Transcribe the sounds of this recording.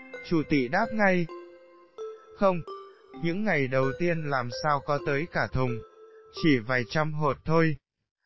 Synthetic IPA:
t͡ɕu˧˩t̪ḭ˧˨ɗaː˦˥p̚ŋa˧j | xə˧wŋ͡m | ɲɨ̰˧˥ŋːa˨˩jɗə˨˩wt̪i˧ənlaː˨˩msaː˧wkɔ˨˦t̪əː˨˦jkaː˧˩t̪ʰʊ˨˩ŋ͡mt͡ɕi˧˩vaː˨˩jt͡ɕa˧mɦo˨˩t̚t̪ʰo˧j

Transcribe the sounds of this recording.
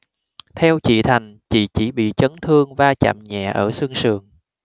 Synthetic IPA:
t̪ʰɛ˧wt͡ɕḭ˧˨t̪ʰa˨˩jŋ̟t͡ɕḭ˧˨t͡ɕi˧˩ɓḭ˧˨t͡ɕə˨˦nt̪ʰɨ˧əŋvaː˧t͡ɕa̰˧˨mɲɛ̰˧˨ʔəː˧˩sɨ˧əŋsɨ̰˧˩əŋ

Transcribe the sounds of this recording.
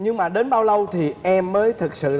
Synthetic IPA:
ɲɨ˧ŋmaː˨˩ɗe˨˦nɓaː˧wlə˧wt̪ʰi˨˩ʔɛ˧mːəː˨˦jt̪ʰɨ˨˩k̚sɨ̰˧˨

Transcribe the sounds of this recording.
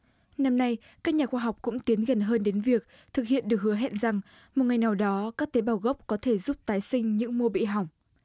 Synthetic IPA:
na˧mna˧j | kaː˦˥k̚ɲaː˨˩xwaː˧ɦa˨˩wk͡p̚kʊ̰˧˥ŋ͡mt̪i˨˦ənɣə˨˩nɦəː˧nɗe˨˦nvi˨˩ək̚ | t̪ʰɨ˨˩k̚hḭ˧˨ənɗɨ˨˩ək̚hɨ˨˦əɦɛ̰˧˨nza˨˩ŋ | mo˨˩t̚ŋa˨˩jna˨˩wɗɔ˨˦kaː˦˥k̚t̪e˨˦ɓaː˨˩wɣə˦˥p̚kɔ˨˦t̪ʰe˧˩zu˦˥p̚t̪aː˨˦jsï˧ŋ̟ɲɨ̰˧˥ŋmu˧əɓḭ˧˨ɦa˨˩wŋ͡m

